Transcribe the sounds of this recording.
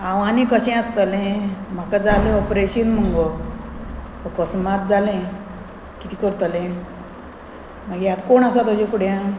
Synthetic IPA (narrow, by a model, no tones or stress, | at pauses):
aʋanikəɕɛ̃əst̪əlẽm̤akad͡zaleɔpɾeɕinm̤əŋɡɔ | əkəsmat̪̚d͡zalẽ | kit̪ikəɾt̪əlẽ | məɡjat̪koɳasat̪ɔd͡ʑĩkuɽjã